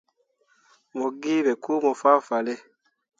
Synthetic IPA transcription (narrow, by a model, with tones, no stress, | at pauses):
mo˨ɡi˦bɛ˨ku˦mɔ˨fa˦fa˨lɛ˦